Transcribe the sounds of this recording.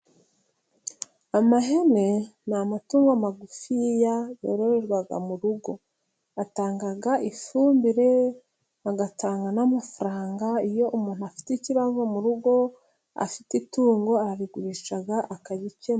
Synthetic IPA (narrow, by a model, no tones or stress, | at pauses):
amaɦe̞ne̞namatuːŋɡoamaɡufijajo̰ːɾoɾeɾɡwaɡa̰muɾuɡo̞ | ataːŋɡaɡaʔifuːmbiɾe̞ | aɡataːŋɡanamafuɾaːŋɡaijo̞ʔumuːn̥huafi̥teiciβazo̞muɾuɡo̞ | a̰fi̥tituːŋɡo̞aβiɡuɾiʃaɡaʔakaβice